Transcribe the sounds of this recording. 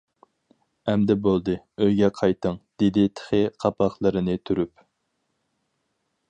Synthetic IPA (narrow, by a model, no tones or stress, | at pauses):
ɛmd̪ɛbolˠd̪ɨ | øjɡʲɛqʰɑjt̪ʰəŋd̪̥ed̪ɪt̪ʰə̥χɪqʰɑpɑχlˠɨɾɨnɨt̪ʰyɾyp